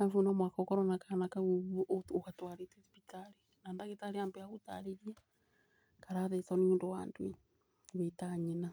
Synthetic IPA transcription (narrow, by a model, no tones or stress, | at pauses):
afunamwakokɔɾonakanakauʔokatwaɾetesipitaɾi | naːndaɣetaɾeambeauta̰ɾeɾja | kaɾaðetonondowandwe | βetaɲena